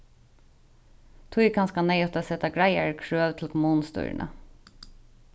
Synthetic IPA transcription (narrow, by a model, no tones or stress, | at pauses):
t̪ʰʊʏkʰɑnskɑneɪɔt̪əsɛt̪ɑɡɹæɪəɹkʰɹøːʋt̪ʰl̩kʰʊmuːnst̪ʉ̰ːɹ̰ɳʔə̰